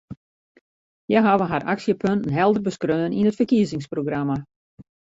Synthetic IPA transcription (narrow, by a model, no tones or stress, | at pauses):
jɛɦaʋəɦara̰ksjəpʰøntənɦɛlˠdərbəskrøːəninətfərkiəzɪŋsproɡrama